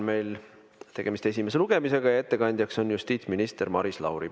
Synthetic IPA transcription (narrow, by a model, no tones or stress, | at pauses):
me̞jl | t̪e̞ɡ̥e̞mist̪e̞sʲimes̬e̞luɡ̥e̞mise̞ɡ̥ɑjɑe̞t̪ːe̞kɑnʲd̪̥ʲjɑkso̞njust̪iːt̪sminʲist̪e̞ɾmɑɾislɑ̰wɾi